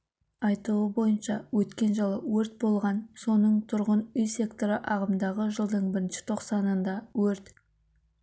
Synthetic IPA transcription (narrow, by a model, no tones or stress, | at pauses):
ɑjt̪əlˠuəbo̞jənʃɑwɵt̪kʲe̞nʒəlˠəwɵɾt̪̚bo̞lˠʁɑnso̞nəɴt̪ʰʊɾʁənʏjsʲe̞kt̪o̞ɾəʔɑʁəmd̪ɑʁəʒəlˠd̪əɴbɪɾɪnʃɪ̥t̪ʰo̞qsɑnənd̪ɑwɵɾt̪